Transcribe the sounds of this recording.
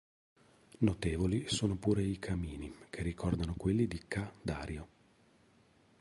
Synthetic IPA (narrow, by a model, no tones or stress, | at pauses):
not̪eːvolisoːnopuːɾeikʰamiːnikʰerːikɔrd̪anokwelːid̪ikad̪aːɾjo